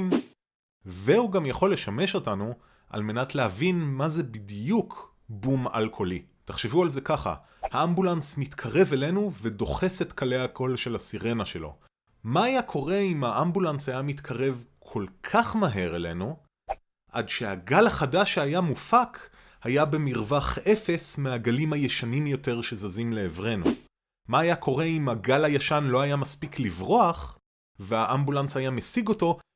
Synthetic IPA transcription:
m | vehuɡamjaχo̞lːe̞ʃame̞ʃo̞tanu | ʔa̰lme̞natleɦavinmaze̞bidjukʰ | buma̰lkʰo̞li | taχʃevualze̞kaχa̰ | haambulansmitkʰaʁe̞vele̞nuvedo̞χe̞setkale̞jakʰo̞lʃe̞lasiʁe̞naʃe̞lo̞̰ | maːjakʰo̞ʁe̞imaʔambulanshajamit̪kʰaʁe̞vkʰo̞lkʰaχmaɦe̞ʁele̞̰nu | ʔa̰dʃeaɡalaχadaʃeajamufakʰ | hajabe̞miʁvaχe̞fe̞smeaɡalimhajeʃanimjo̞te̞ʁʃe̞zazimle̞ːvʁe̞nu | maːjakʰo̞ʁe̞imaɡalajaʃanloajamaspiklivʁo̞aχ | veaʔambulansajamesiɡo̞to̞

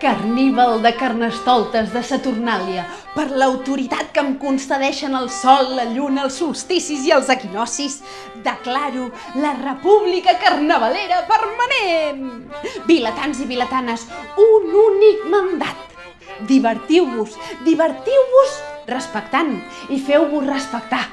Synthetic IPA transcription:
kərniβəlˠd̪əkərnəst̪ɔlˠt̪əzðəsət̪urnaljə | pəɾləwt̪uɾit̪at̪̚kəmkunsəðɛʃənəlˠsɔlˠːəʎunəlˠsːulˠst̪isiziəlˠzəkinɔsiz | d̪əklaɾu | lərəpuβlikəkərnəβəleɾəpəɾmənenbilət̪anziβilət̪anəsununik̚mənd̪at̪̚ | d̪iβəɾt̪iwβuzd̪iβəɾt̪iwβuzrəspəkt̪an | ifɛwβusrəspək̚t̪a

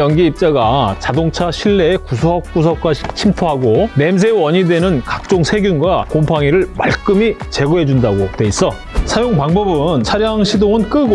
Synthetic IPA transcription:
jʌŋɡiːp̚t͡ɕ͈aɡat͡ɕadoŋt͡ɕʰaɕʰiɭːe̞ːkusʰoʌk̚k͈us̬ʰʌk̚k͈aɕʰit͡ɕʰimpʰoɦaɡone̞ms̬ʰe̞wʌɲidwe̞nɯnkak̚t͡ɕ͈oŋsʰe̞ɡjunɡwakompʰaŋiɾɯɭma̰ɭk͈ɯmit͡ɕe̞ɡoɦe̞d͡ʑundaɡotwe̞is͈ʌ | sʰajoŋpaŋbʌbɯnt͡ɕʰaɾjaŋɕʰidoŋɯnk͈ɯɡo

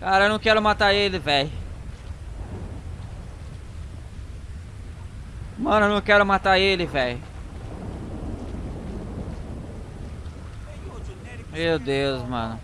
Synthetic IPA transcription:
kaɾɐewnɐ̃w̃kɛɾʊ̃mat̪aɾelɪvɛj | mɐ̃nʊnɐ̃w̃kɛɾʊmat̪aelɪvɛj | mewd̪ewzmɐ̰̃nʊ

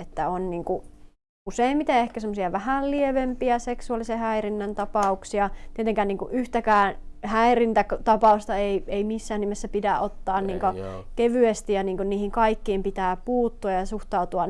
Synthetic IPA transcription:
et̪ːæonniːŋku | useˑimmit̪eehkæsemːŏsiɑʋæhællieʋempiæseksuɑlisehæirinːænt̪ɑpɑuksiɑt̪iet̪eŋkæːniːŋkuʔʔyht̪ækæːnhæirint̪ækt̪ɑpɑˑust̪ɑeieimisːæːnimesːæpidæʔot̪ːɑːnniːŋkokeʋyest̪ijjɑniːŋkunniːhiŋkɑikːiːmpit̪æːpuːt̪ːuɑjɑsuht̪ɑut̪uɑ

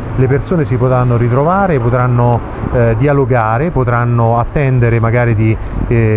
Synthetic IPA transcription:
lepersoːnesipot̪ɾanːoɾit̪ɾovaːɾepːot̪ɾanːo | d̪ialoɡaːɾepot̪ɾanːoat̪ːɛnd̪eɾemaɡaːɾid̪i

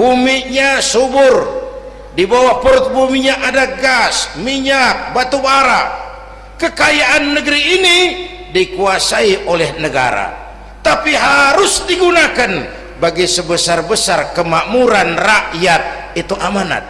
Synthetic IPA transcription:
bumiɲasubʊr | dibawahpəɾʊt̪̚bumiɲaʔadaɡasmiɲak̚bat̪ubaɾa | kəkajaʔanːəɡəɾiːni | dikuasaiʔolɛhnəɡa̰ɾa̰ | t̪apiɦaɾʊsdiɡunakan | baɡisəbəsarbəsarkəmamuɾanraʔjat̪̚ | it̪uʔamana̰t̪̚

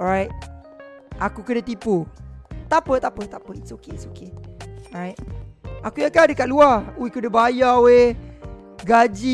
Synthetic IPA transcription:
ɔɹajt̚ | ʔakukədət̪iput̪apət̪apət̪apəisokesokeɔɹajt̚akujakadəkaʔ̚luauwekudəbajawe | ɡad͡ʒi

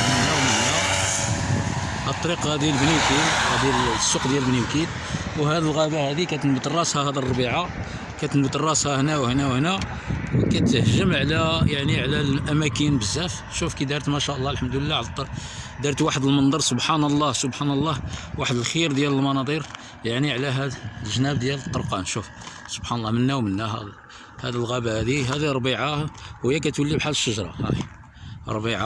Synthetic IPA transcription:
əmd̪əlːæwəlːæ | hæt̪ˤːɑɾiqhæd̪ilbniwkid̪hæd̪isːuqd̪jælbniwkid̪ | whæd̪əlɣæbahæd̪ikæt̪ənbət̪ərˤːɑshæhæd̪irˤːɑbiʕa | kæt̪ənbət̪ərˤːɑshæhnæwhnæwhnæ | wkæt̪əhʒəmʕlæjaʕniʕlælʔæmækənbəzːæf | ʃufkid̪ɑɾˤt̪mæʃæʔlˤːɑlħəmd̪uləlːæʕlt̪ˤː | d̪ɑɾˤt̪waħəd̪əlmənd̪ˤɑɾˤsobħanəlˤːɑhsobħanəlˤːɑhwaħəd̪əlxiɾd̪jæləlmɑnɑd̪ˤiɾ | jaʕniʕlæɦæd̪lʒənæb̚d̪jælət̪ˤːoɾqɑnʃuf | sobħanəlːɑmənːæwmənːæhæ̰ | hæd̪əlɣæbæhæd̪iɦæd̪iɾˤbiʕahəjːækæt̪wəlːibħalːəʃːəʒɾˤɑ̰hæ̰ | ɾˤbiʕa

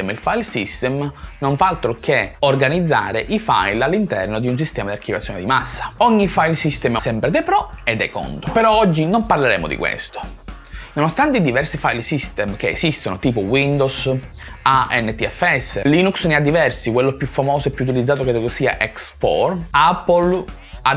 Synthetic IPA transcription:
ɛmilfajlsist̪ɛmnoɱfaalt̪ɾokeorɡanid̪zːa̰ːɾeʔifa̰jlalːint̪ɛrnod̪iuns̬ist̪ɛːmad̪iaɾrkːivat̪sːjoned̪imasːḁɔɲːifajlsist̪ɛmasɛmpɾed̪epɾɔed̪ɛkɔ̰nt̪opeɾɔɔd͡ʒːinomparleɾɛːmo̰d̪ḭkwḛst̪o̥ | nonost̪ant̪eid̪ivɛrsifajlsist̪ɛmk̟ḛːsist̪onot̪iːpowind̪os | aɛnːet̪iɛfɛsːeliːnuksnead̪ːivɛrsikwelːopjufːamɔːsoɛpːuːt̪ilid̪zaːt̪oket̪oɡosiːa̰ʔɛksfɔ̰rapːol | a

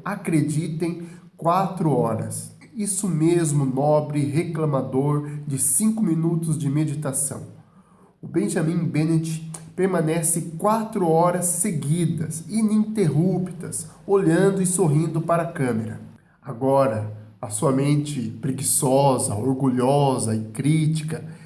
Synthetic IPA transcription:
akɾed͡ʒit̪ẽj̃ | kwat̪ɾʊɔɾɐ̰s | isʊmezmʊnɔbɾɪɦeklɐmad̪oɾd͡ʒɪsĩŋkʊmĩnut̪ʊzd͡ʒɪmed͡ʒit̪asɐ̰̃w̃ | ʊbẽʒamĩŋbenet͡ʃɪ̥peɾmɐ̃nɛsɪkwat̪ɾʊɔɾɐsːeɡid̪ɐsinĩnt̪eɦupit̪ɐsoʎɐ̃nd̪ʊɪsoɦĩnd̪ʊpaɾɐkɐ̃meɾɐ̰ | aɡɔɾɐɐsuɐmẽnt͡ʃɪpɾeɡisɔzɐ̰oɾɡuʎɔzɐɪkɾit͡ʃi̥kɐ

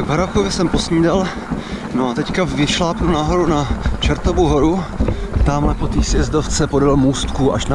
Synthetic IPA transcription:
vɦɾafkovjɪsɛmpo̞sɲiːdal | noat̪ɛckavɪʃlaːpnunaɦoɾunat͡ʃɛɾt̪ovowɦo̞ɾut̪aːmlɛpo̞t̪iːsjɛzdoft͡sɛpo̞dalmuːst̪kuʔa̰ʃna

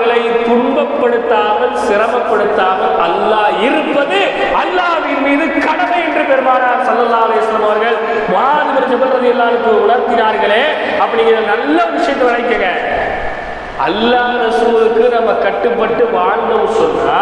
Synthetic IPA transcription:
ɣɐɭɐɪt̪ʊɳbɐpːɐɽɯt̪ːaːmɐlsɪrɐmɐpːɐɽɯt̪ːaːmɐlʔɐlːaːɪɾɯpːɐðɯ | ɐlːaːʋɪnmiːðɯkɐɽɐmɐɛndrɯpɛɾɯmaːnaːɾsɐlːɐlːaːɐlɐjɐsɐlɐmɐʋɐɾɣɐɭ | mɔɦaːnɯbɐɾd͡ʒɐbɐlɾɐðɪjɐlːaːnɯkːʊʊɽɐɾt̪ɪnaːɾɣɐɭeː | ɐpːɐɳiŋɡɪnɐnɐlːɐʋɪʂɐjɐnːɐʋɪɭɐɪkːɐŋɐ | ɐ̰lːaːɾɐsɯɐɯkːɯnɐmːɐkːɐʈːɯpːɐʈːɯʋaːɳɖɐʋsɔnːaː

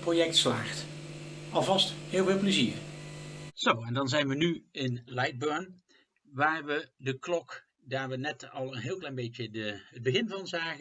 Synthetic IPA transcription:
projɛktsla̰ːχt | ɑlˠvɑsthɪːlˠvɪːlˠpləziːɹ | z̥owɛndɑnzɛjnʋənyɪnlɛjd̚bøːɹn | ʋaːɹʋədəklɔk | daːɹʋənɛtɑlˠənɦɪːlˠklɛjnbejtjədəəd̚bəχɪnvɑnzaːχə

